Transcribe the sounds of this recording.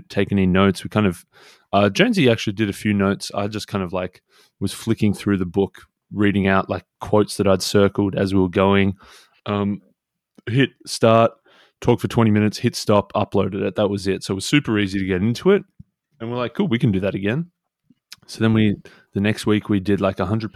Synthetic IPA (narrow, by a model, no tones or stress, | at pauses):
tʰeɪkɛ̃nɨ̃noʊtswikʰãɪ̃ndʌv̥ | ʌd͡ʒẽɪ̃nziæk̚t͡ʃʉl̩ˠidɨɾɨfjʉnoʊtsa̰ɪd͡ʒʌskʰãɪ̃ndʌvlaɪk | wʌz̥flɪkɪ̃ŋθɹʉðɨbʊk | ɹiɾɪ̃ŋaʊʔlaɪkʰw̥oʊtsðɨɾaɪd̥sɜ˞kl̩ˠdɨzwiwə˞ɡoʊɪ̃ŋ | ʔʌ̃m | hɪt̚stɑɹtʰ | ɔkfə˞tʰw̥ɛ̃ɾ̃imɪ̃ñɨtshɪtstɑpʰʌ̰ploʊɾɨɾɨt̪̚ðət̚wʌzɪtsoʊət̚wʌz̥sʉpə˞iziɾɨɡɛɾɪ̃ntʰʉɪt̚ | ɨ̃nwiə˞laɪk̚ɡ̥ulˠwikɨ̃n̩dɨðɨɾɨɡɛ̃n | soʊðə̃nwi | ðɨnɛkst̚wikwidɪdˡlaɪkəɦʌ̃ndɹəd̚p